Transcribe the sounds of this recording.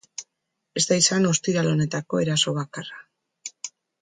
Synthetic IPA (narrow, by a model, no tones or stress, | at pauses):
e̞zt̪aisano̞st̪iɾalo̞ne̞t̪ako̞e̞ɾaso̞β̞akara